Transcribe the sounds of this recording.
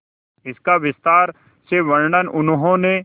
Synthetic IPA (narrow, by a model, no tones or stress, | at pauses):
ɪskaʋɪst̪aːɾ | seʋɐɾɳənʔʊnɦõnẽ